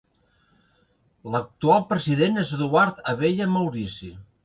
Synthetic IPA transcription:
lək̚t̪ualˠpɾəziðenezðuaɾt̪əβeʎəmawɾisi

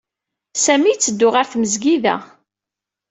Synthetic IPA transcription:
sæmit͡sːəd̪ːʊʁaɾθməzɡiðæ̰

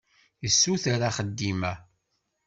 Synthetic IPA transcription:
jəsːuθaɾaχəd̪ːimæ

